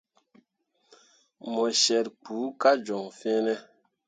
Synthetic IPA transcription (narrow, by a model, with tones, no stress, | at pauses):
mɔ˨ʃɛ˨ɾk͡puː˨˦ka˦d͡ʒɔ˨ŋfe˦nɛ˦